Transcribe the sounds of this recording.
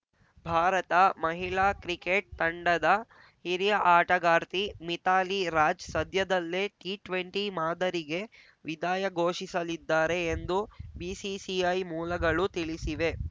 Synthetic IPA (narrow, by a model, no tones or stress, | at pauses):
bʱaːɾɐt̪ɐmɐɦiɭaːkɾikeʈ̚t̪ɐɳɖɐd̪ɐ | hiɾijɐʔaːʈɐɡaːɾt̪imit̪aːliɾaːd͡ʒsɐd̪ʱjɐd̪ɐlːeʈiːʈʋeɳʈimaːd̪ɐɾiɡe̞ | ʋid̪aːjɐɡo̞ːʃisɐlid̪ːaːɾe̞ːnd̪ubiːsisiɐjmuːlɐɡɐɭut̪iɭisiʋe̞